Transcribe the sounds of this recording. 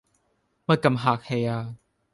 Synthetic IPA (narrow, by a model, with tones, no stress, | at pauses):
ma˥˧˩ka˨mɦaː˨˩k̚he˨˧˩jaː˧˩